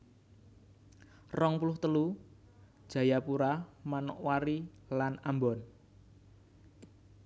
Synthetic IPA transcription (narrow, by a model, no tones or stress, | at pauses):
rɔŋpulʊht̪əlu | d̥ʒ̥ä̤japuɾamanɔ̰ʔwaɾilanambɔn